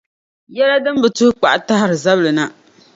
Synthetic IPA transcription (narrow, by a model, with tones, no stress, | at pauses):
jɛ˦la˦dɨ˦m˦bɨ˨tʊ˦hʊ˦k͡pa̰˨ʔa˨ta˦ɦa˦˨ɾɨ˨za˦blɨ˨na˨